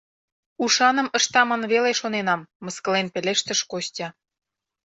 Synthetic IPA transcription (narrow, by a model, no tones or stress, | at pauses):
uʃɑnə̆mə̆ʃt̪ɑmɤ̆nβeleʃonenɑmːɤ̆skə̆lenpelʲeʃt̪ə̆ʃkostʲɑ